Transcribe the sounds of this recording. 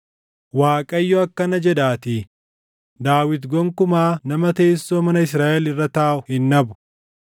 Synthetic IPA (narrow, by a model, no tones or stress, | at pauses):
waːkʼɐjːɔɐkːɐnɐd͡ʒɛd̪aːt̪i | d̪aːwɪt̪ɡɔŋkʊmaːnɐmɐt̪eːsːoːmɐnɐɪs̬ɾaːʔɛlɪrːɐt̪aːʔʊhɪnːɐbʊ̥